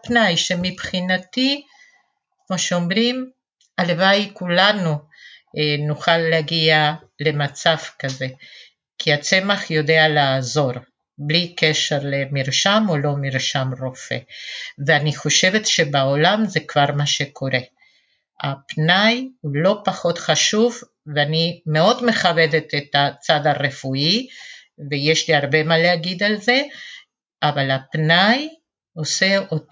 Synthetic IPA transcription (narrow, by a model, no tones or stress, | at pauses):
pnajʃemipχinat̪i | kmoʃeomʁim | alevajkulanu | nuχalːeaɡia | le̞mat͡savkaze̞ | kʰiat͡se̞maχjo̞de̞alazo̞ʁ | blikeʃeʁlemiʁʃamo̞lo̞miʁʃamʁo̞fḛveaniχo̞ʃe̞vet̪ʃe̞beolamze̞kvaʁmaʃekʰo̞ɾe̞ | apnajulo̞paχo̞t̪χaʃuv | veanimeo̞d̪me̞χabe̞d̪et̪et̪at͡sad̪aʁefui | vejeʃliaʁbe̞maleaɡid̪alze̞ | avalapnaj | o̞seo